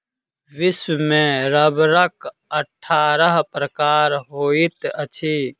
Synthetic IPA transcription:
ʋɪswmẽɾəbɾək | əʈʰːaːɾəɦpɾəkaːɾɦoːit̪ət͡ʃʰiː

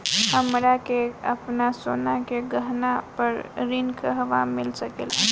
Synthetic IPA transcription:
həmɾakeə̰pnasonakeɡəɦnapəɾɾinkəɦəʋamɪlsəkḛl

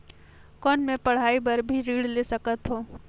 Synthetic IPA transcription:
kɔːnmẽpɐɽ̤aːibɐɾbʱiɾiːɽlesəkət̪ɦoː

